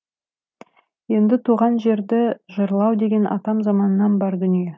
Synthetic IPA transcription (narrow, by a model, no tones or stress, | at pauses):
je̞nd̪ɪt̪ʰuʁɑnʒe̞ɾd̪ɪʒəɾlˠɑwd̪e̞ɡʲe̞nʔɑ̰t̪ɑmzɑmɑnənːɑnbɑɾd̪ʏnije̞